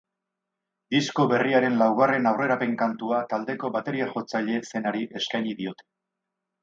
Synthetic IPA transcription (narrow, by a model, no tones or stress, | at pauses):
d̪isko̞βe̞riaɾe̞nlawɣare̞nawre̞ɾape̞ŋkant̪uat̪ald̪e̞ko̞βat̪e̞ɾiaʝo̞t͡saʎe̞se̞naɾiʔe̞skajɲiðio̞t̪e̥